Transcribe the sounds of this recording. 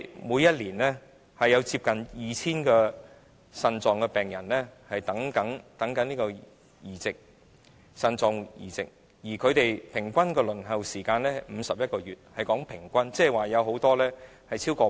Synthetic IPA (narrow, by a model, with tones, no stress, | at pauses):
muː˨˧jɐ˥t̚liː˨˩nlɛː˥ | hɐ˨jːɐ˨˧wt͡siː˧p̚kɐ˨njiː˨˩t͡sʰiː˥nkɛː˧ | sɐ˧nt͡sɔː˨˧ŋkɛ˧pɛː˨˩ŋjɐ˨˩nlɛː˥hɐ˨jt̪ɐ˨˥ŋkɐ˨˥ŋt̪ɐ˨˥ŋkɐ˨˥nliː˥kɔː˧ | jiː˨˩t͡sɪ˨k̚ | sɐ˧nt͡sɔː˨ŋjḭː˨˩t͡sɪ̰˨k̚ | jiː˨˩kʰɵ˨˧t̪e˨jpʰɪ˨˩ŋkʷɐ˥nkɛː˧lɵ˨˩nɦɐ˨wsiː˨˩kaː˧nlɛː˥˨m̩˨˧sɐ˨p̚jɐ˥t̚kɔː˧jyː˨t̚hɐ˨jkɔː˨˥ŋpʰɪ˨˩ŋkʷɐ˥nt͡sɛː˥waː˨jɐ˨˧who˨˥wt̪ɔː˥lɛː˥ | hɐ˨jt͡sʰiː˥wkɔː˧